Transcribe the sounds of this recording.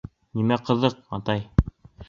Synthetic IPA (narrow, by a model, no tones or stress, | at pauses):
nimæqɤ̆ðɤq̚ɑt̪ɑj